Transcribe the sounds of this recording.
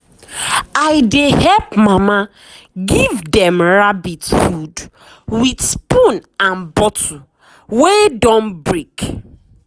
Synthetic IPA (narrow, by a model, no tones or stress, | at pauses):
aɪdehɛpmama | ɡivdɛmɹabitfud | widspũnãnbɔtu | wedɔ̃nbɹik